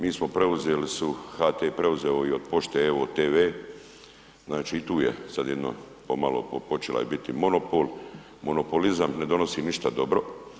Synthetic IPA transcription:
miːsmo̞pɾe̞uzeːlisuhat̪eːpɾe̞uzeːoio̞d̪̚po̞ʃt̪eːot̪eːʋeː | znaːt͡ʃiːt̪uːjesad̪je̞d̪no̰ | pomalo̰popo̞t͡ʃela̰jbit̪imo̞nopoːl | mo̞no̞polizamne̞d̪o̞no̞siːniʃt̪ad̪o̞bɾo̞

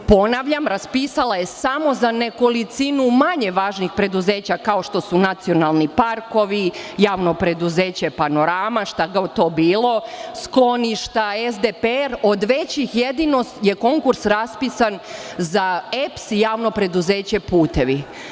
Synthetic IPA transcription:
po̞naʋʎamɾaspisalaje̞samo̞zane̞ko̞lit̪sinumaɲe̞ʋaːʒnixpɾe̞d̪uzeːt͡ɕakao̞ʃt̪o̞sunat̪sio̞nalˠnipaɾko̞ʋijaːʋno̞pɾe̞d̪uzeːt͡ɕe̞pano̞ɾamaʃt̪aɡaot̪o̞ːbiːlˠo̞sklo̞niʃt̪aezd̪epeɾo̞d̪ʋe̞t͡ɕixjed̪ino̞st̪je̞ko̞ŋkuɾsɾaspisanzaepsijaːʋno̞pɾe̞d̪uzeːt͡ɕe̞puːt̪e̞ʋi

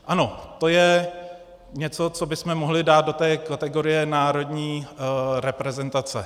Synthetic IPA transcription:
ʔano̞t̪o̞jɛ | ɲɛt͡so̞t͡so̞bɪsmɛmoɦlɪdaːt̪̚do̞t̪ɛːkat̪ɛɡo̞ɾɪjɛnaːɾo̞dɲiːɾɛpɾɛzɛnt̪at͡sɛ̰

